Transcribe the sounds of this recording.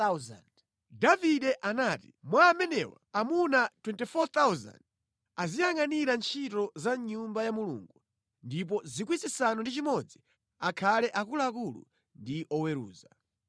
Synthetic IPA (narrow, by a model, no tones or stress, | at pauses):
zn | daviɗɛʔanaːtimwaːmɛnɛwa̰ːmunatwɛntifɔt̪awza̰nd̚ | azijaŋaniɾant͡ʃʰitɔzaɲumbajamulṵŋɡu | ndip̬ɔzikwisisanɔndit͡ʃimɔd͡zi | akʰalɛʔakulaːkulṵ | ndiʔɔwɛɾṵːza